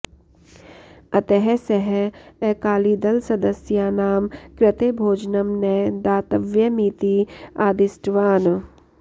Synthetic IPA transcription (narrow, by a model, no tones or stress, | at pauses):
ɐt̪eɦɛsɛɦɛɛkaːliːd̪ɐlsɐd̪əsjaːnaːmkɾɪt̪eːbʱoːd͡ʒnɐmnɛd̪aːt̪ɐʋjɐmiːt̪iaːd̪ɪsʈʋaːn